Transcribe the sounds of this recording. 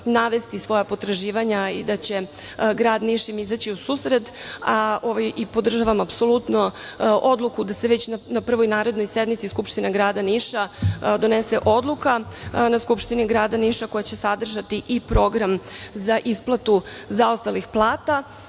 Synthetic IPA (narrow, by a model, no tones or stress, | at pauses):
naʋe̞st̪isʋo̞japo̞t̪ɾaʒiːʋaɲaḭd̪at͡ɕe̞ | ɡɾaːd̪niʃimizat͡ɕiusuːsɾed̪aoʋajipo̞d̪r̩ʒaʋamapso̞lˠut̪noʔo̞d̪lˠukud̪aseʋet͡ɕnanapr̩ʋo̞jnaːɾe̞d̪no̞jsed̪mit̪siskupʃt̪ineɡɾaːd̪aniʃad̪o̞neseʔo̞d̪lˠukanaskupʃt̪iniɡɾaːd̪aniʃako̞jat͡ɕe̞sad̪r̩ʒat̪iʔipɾo̞ɡɾamzaʔisplˠat̪uzaost̪alixplˠaːt̪a